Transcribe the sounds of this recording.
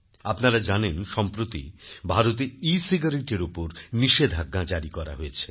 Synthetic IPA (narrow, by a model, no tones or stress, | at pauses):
apnaɾad͡ʑanenʃɔmpɾot̪ḭbʱaɾot̪̬eisiɡaɾeʈeɾupoɾniʃed̪ʱaɡːãd͡ʑaɾikɔɾa̰ɦoet͡ɕʰe̥